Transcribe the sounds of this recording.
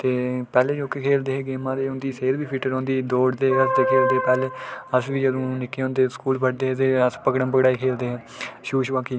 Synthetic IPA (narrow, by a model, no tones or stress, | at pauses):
t̪eːpɛːleːd͡ʒoːkːeːkʰeːld̪eːɦeːɡeːmãːd̪eːʊ̃nd̪iːseːɾbiːpʰɪʈəɾõːnd̪iːd̪oːɖd̪eːəsd̪eːkʰeːld̪eːpɛːleːəsʋiːd͡ʒəd̪õːnɪkːeːõːnd̪eːskuːlpʰəʈ̚d̪eːɦet̪eːəspəkɽəmpəkɽaːiːkʰeːld̪eːɦẽːʃuːʃʋaːkiː